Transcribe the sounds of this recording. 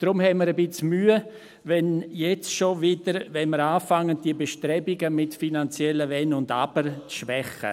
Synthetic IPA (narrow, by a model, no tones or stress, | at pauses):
d̥ɾʊmhɛməɾəbɪt͡smyːə | vɛnjɛt͡sʃovɪd̥əɾvɛnməɾaːfaŋːənd̥iəbeʃtɾɛbiɡəmɪtfinant͡sjɛləvɛnʊnda̰bəɾt͡sʃʋɛχə̰